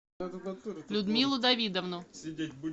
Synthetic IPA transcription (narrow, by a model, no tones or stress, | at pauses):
lʲʊd̪mʲilˠʊd̪ɐvʲid̪əvnʊ